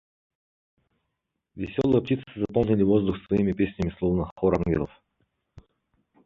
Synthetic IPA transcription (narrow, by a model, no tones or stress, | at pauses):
vʲɪsʲolˠəjəp̚tʲit̪sɨzɐpolˠnʲɪlʲɪvozd̪uxsvɐimʲɪpʲesʲnʲɪmʲɪslˠovnəχoɾanɡʲɪ̰lˠə̰f